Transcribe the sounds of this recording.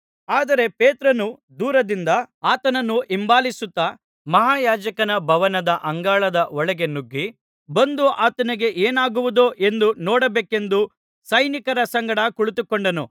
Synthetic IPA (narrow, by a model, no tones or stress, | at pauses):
aːd̪ɐɾe̞peːt̪ɾɐnu | d̪uːɾɐd̪ind̪ɐaːt̪ɐnɐnːuʔimbaːlisut̪ːɐ | mɐɦaːjaːd͡ʒɐkɐnɐbʱɐʋɐnɐd̪ɐʔɐŋɡaːɭɐd̪ɐɔɭɛɡenuɡːi | bɐnd̪uʔaːt̪ɐniɡe̞ʔeːnaːɡuʋud̪oʔe̞nd̪unɔːɽɐbeːke̞nd̪u | sɐjnikɐɾɐsɐŋɡɐɽɐkuɭut̪ukoɳɖɐnu